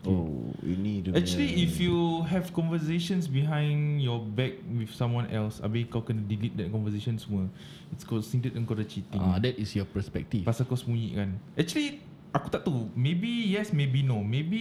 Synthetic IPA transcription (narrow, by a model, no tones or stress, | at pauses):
ojṵniuɛk̚t͡ʃuəliifjuɦɛvkɔ̃nvəseʃə̃nsbiɦãj̃njɔbɛk̚wifsãmwãnʔɛ̰lsa̰bekawkɛ̃nədilit̚dɛt̚kɔ̃nvəseʃə̃nsmə | itskɔsĩntətə̃nkɔdət͡ʃit̪ĩŋadɛtisjɔpəspɛk̚tifpasakɔsmũjḭʔkãnɛk̚t͡ʃuəli | akut̪aʔ̚t̪umebijɛsmebinomebi